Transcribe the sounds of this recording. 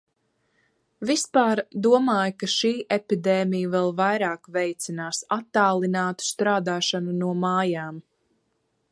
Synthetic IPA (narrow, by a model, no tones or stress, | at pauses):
vispaːɾd̪uɔmaːjkaʃiːʔepid̪ɛːmijəvɛlˠvajɾaːkvɛjt̪sinaːsat̪ːaːlˠinaːt̪u̥st̪ɾaːd̪aːʃanunuɔmaːjaːm